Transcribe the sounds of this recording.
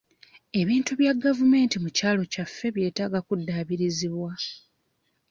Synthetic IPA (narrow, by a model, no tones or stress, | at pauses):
e̞βiːntuβjaɡavume̞ːntimucaːlo̞cafːe̞βje̞ːtaɡakudːaːβiɾiziβwa